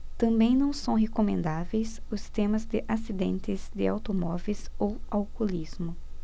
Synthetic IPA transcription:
t̪ɐ̃mbẽj̃nɐ̃w̃sɐ̃w̃ɦekomẽnd̪avejsʊst̪ẽmɐzd̪ɪʔasid̪ẽnt̪ɪzd̪ɪawt̪omɔvezowawkolizmʊ

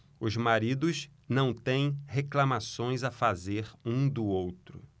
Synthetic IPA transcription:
ʊzmaɾid̪ʊs | nɐ̃w̃t̪ẽj̃heklamasõj̃zafazeɾũd̪ʊowt̪ɾʊ̰

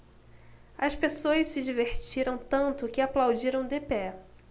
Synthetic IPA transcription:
ɐspesoɐssɪd͡ʒiveɾt͡ʃiɾɐ̃w̃t̪ɐ̃nt̪ʊkɪaplawd͡ʒiɾɐ̃w̃d̪epɛ

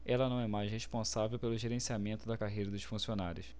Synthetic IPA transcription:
ɛlɐnɐ̃w̃ɛmajʃheʃpõsavewpelʊʒeɾẽsiamẽnt̪ʊd̪ɐkaɦejɾɐd̪ʊʃfũsionaɾjʊs

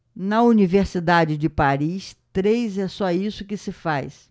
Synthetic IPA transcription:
nɐuniveɾsid̪ad͡ʒɪd͡ʒɪpaɾist̪ɾejzɛsɔisʊkɪsɪfajs

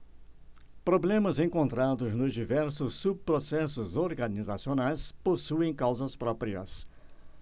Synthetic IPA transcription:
pɾoblẽmɐzẽŋkõnt̪ɾad̪ʊznʊzd͡ʒivɛɾsʊsːub̚pɾosɛsʊzoɾɡɐnizasionajsposuẽj̃kawzɐspɾɔpɾiɐ̰s

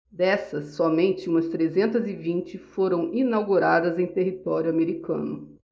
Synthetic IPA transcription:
d̪ɛsɐsːɔmẽnt͡ʃɪũmɐst̪ɾezẽnt̪ɐzɪvĩnt͡ʃɪfoɾɐ̃w̃ʔinawɡuɾad̪ɐzẽj̃t̪eɦit̪ɔɾjʊameɾikɐ̰̃nʊ

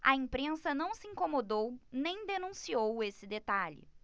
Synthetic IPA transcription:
ɐĩpɾẽsɐnɐ̃w̃sɪĩŋkomod̪ownẽj̃d̪enũsiowesɪd̪et̪aʎɪ̰

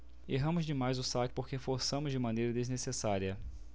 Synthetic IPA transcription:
eɦɐ̃mʊzd͡ʒɪmajzʊsakɪ̥poɾkefoɾsɐ̃mʊzd͡ʒɪmɐ̃nejɾɐd̪eznesesaɾiɐ

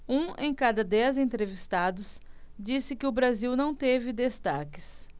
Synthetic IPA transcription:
ũḛ̃j̃kad̪ɐd̪ɛzẽt̪ɾevist̪ad̪ʊsd͡ʒisɪkɪʊbɾaziwnɐ̃w̃t̪evɪd̪est̪akɪs

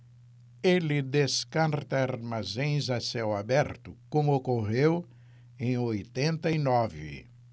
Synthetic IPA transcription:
elɪd̪eskaɾt̪ɐaɾmazẽj̃zasewabɛɾt̪ʊkõmʊokoʁew | ẽj̃ojt̪ẽnt̪ɐinɔvɪ̰

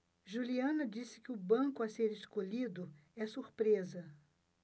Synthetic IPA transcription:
ʒuliɐ̃nɐd͡ʒisɪ̥kɪʊbɐ̃ŋkʊaseɾeskoʎid̪ʊɛsuɾpɾezɐ

